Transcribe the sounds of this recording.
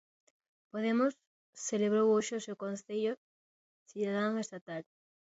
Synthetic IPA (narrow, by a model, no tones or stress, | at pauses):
poðemʊsː | eleβ̞ɾowoʃeosewkonθeʎo | siðaðaŋest̪at̪al